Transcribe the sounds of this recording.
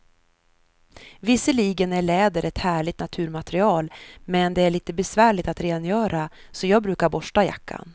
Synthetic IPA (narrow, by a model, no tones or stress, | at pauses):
vɪsːəliːɡənæɭɛːd̪əɾʔɛt̪hæːɭɪt̪nat̪ʰʉ̟ːɾmat̪ɾɪɑːlmɛnd̪ɛæɭiːt̪əbɛsvæːɭɪt̪at̪ɾeːnjœːɾa | sɔjɑːɡ̚bɾʉ̟ːkaɾbɔʂʈaja̰kːa̰n